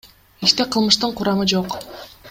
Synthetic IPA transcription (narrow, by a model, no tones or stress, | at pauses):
iʃt̪e̞qʰɯlˠmɯʃt̪ɯɴqʰʊɾɑmɯd͡ʒo̞q